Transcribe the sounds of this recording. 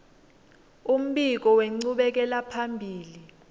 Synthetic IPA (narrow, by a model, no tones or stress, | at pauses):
um̩ɓik̬ɔweŋ͡ǀuɓɛk̬ɛlapʰambʱiːli